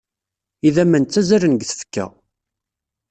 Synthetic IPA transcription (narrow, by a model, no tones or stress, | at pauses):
iðæmænt͡sːæzæɾənɡθə̥fkːæ̰